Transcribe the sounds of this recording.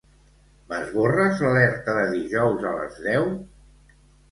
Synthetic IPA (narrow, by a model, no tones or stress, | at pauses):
mazβorəzləlɛɾt̪əðəðiʒɔwzələ̰zðɛw